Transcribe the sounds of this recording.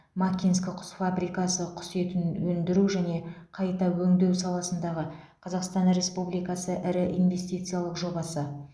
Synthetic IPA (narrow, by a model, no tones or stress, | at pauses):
makʲinskʲɪqʰʊ̥sfabɾijkɑsəqʰʊ̥set̪ɪnwɵnd̪ɪɾuʒæne̞qʰɑjt̪ɑwɵŋd̪e̞wsɑlˠɑsənd̪ɑʁə | qʰɑzɑqst̪ɑnɾe̞spublijkɑsəʔɪɾɪʔḭnve̞st̪ijt̪sɨjalˠəqʒo̞bɑsə